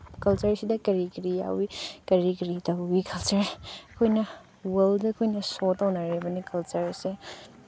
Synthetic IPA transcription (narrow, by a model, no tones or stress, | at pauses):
kɐlt͡ʃɐɾsidɐkɐɾikiɾija̰wikɐɾikiɾitɐwikʰɐlt͡ʃɐɾɐkʰojnɐ | wɐldɐɐkʰojnɐsotɐwnɐɾebɐnikɐlt͡ʃɐɾse